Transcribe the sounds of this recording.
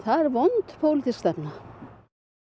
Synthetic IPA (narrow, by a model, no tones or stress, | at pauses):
θaɛɾvɔnt̪pʰowlɪt̪ʰiskst̪ɛpna